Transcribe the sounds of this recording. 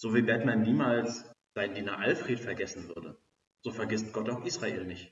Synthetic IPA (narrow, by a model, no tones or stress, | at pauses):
z̥oːviːbɛtmɛnniːmaːlsz̥aɪndiːnɐʔalfʁ̥eːtfɛɐɡɛsn̩vʏɐdə̰ | z̥oːfɛɐɡɪst̚ɡ̥ɔtaʊxʔiːsʁ̥aʔeːlnɪçt